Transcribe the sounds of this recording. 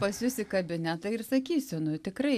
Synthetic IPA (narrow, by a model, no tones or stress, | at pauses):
pɐsʲjʊsʲɪkɐbʲɪnʲæt̪ɐɪrsɐkʲiːsʲʊnʊt̪ʲɪkɾɐɪ